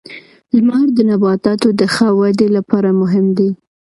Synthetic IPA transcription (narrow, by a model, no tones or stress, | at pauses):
lmɑɾd̪ənabɑt̪ɑt̪od̪əxəwad̪elapɑɾamʊɦɪmd̪i